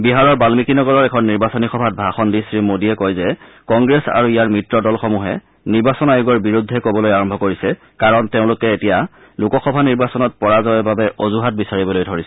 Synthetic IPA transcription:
biɦaɹɔɹbalmikinɔɡɔlɔɹɛkʰɔnːiɹbasɔnixɔbʱat̚bʱaxɔndisɹimodiɛkɔjzɛ | kɔŋɡɹɛsa̰ɹuijaɹmɹitɹɔdɔlxɔmuɦɛ | niɹbasɔnajuɡɔɹbiɹudʱːɛkobɔlojaɹɔmbʱɔkoɹisɛ | kaɹɔnteʊ̃lʊkɛetija | lʊkɔxɔbʱaniɹbasɔnɔt̚pɔɹazɔɛbabɛʔozuɦat̚bisaɹibɔlojdʱoɹisɛ

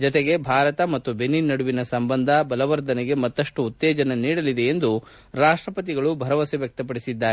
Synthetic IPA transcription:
d͡ʒɔt̪eɡe̞bʱaːɾɐt̪ɐmɐt̪ːubʱenːinːɐɽuʋinɐsɐmbɐnd̪ʱɐbɐlɐʋɐɾd̪ɐnɛɡe̞mɐt̪ːɐʂʈuːt̪ːɛːd͡ʒɐnɐniːɽɐlid̪eend̪u | ɾaːʂʈɾɐpɐt̪̬iɡɐɭubʱɐɾɐʋɐseʋjɐk̚t̪ɐp̬ɐɽisid̪ːaːɾe

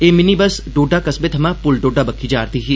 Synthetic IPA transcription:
eːmɪnibəsɖoːɖaːkɐsbet̪ʰɐmãpʊlɖoːɖaːbɐkʰːiːd͡ʒaːɾt̪iːɦiː

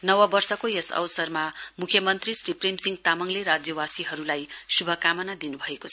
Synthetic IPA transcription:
nʌwʌbʌrsʌkojʌsʌ̰wsʌrmamukʰjʌmʌnt̪risriprimsiŋɡt̪amʌŋleɾad͡zjʌwasiɦʌɾulajsubʱʌkamʌnad̪inubʱʌekot͡sʰʌ

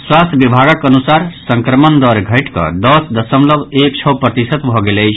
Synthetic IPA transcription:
swast̪ʰbibʱaɡəkənusaɾsə̃ŋkɾəmənd̪ɔɾɡʱəɪʈkə̰d̪ʌsd̪əsəmləbekt͡ʃʰɔwpɾət̪isət̪bʱɔɡeləɪt͡ʃʰ

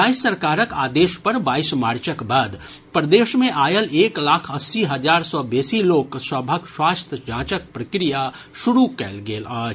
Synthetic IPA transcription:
aːisːəɾkaːɾəka̰ːd̪eːʃpɐɾbaːɪsmaːɾt͡ʃəkbaːd̪ | pɾəd̪eːʃmẽʔaːjəleːklaːkʰɐsːiɦɐd͡ʒaːɾsɔbeːsiloːkswəbʱəkswaːst̪ʰəd͡ʒãːt͡ʃək̚pɾəkɾija | ʃʊɾukɛ̰ːlɡeːlaː

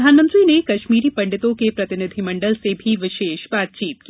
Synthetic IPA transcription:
d̪ʱaːnmə̃nt̪ɾinekɐʃmiːɾipɐ̃ɳɖɪt̪õkepɾɐt̪ɪnɪd̪ʱimɐ̃ɳɖəlsebʱiʋɪʃeːʃbaːt̪̚t͡ʃiːt̪̚ki

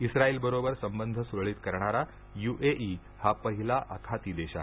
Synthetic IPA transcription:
isɾaiːlbəɾobəɾsəmbənd̪ʱəsuɾɭiːt̪kəɾɳ̃aɾa | juʔeʔi | hapəɦilaʔəkʰat̪iːd̪eɕa̰

